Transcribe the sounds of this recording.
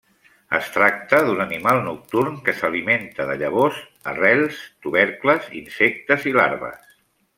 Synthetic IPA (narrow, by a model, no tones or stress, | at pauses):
ə̰st̪ɾak̚t̪əðunənimalˠnuk̚t̪urŋkəsəliment̪əðəʎəβ̞oz | ə̰rɛlˠst̪uβɛɾkləzḭnsɛk̚t̪əzila̰ɾβə̰s